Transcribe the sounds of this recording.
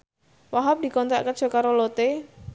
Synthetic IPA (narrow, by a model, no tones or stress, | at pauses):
waɦap̚di̤kɔnt̪ɾa̰ʔkən̥d͡ʒ̥ɔ̤kaɾolot̪e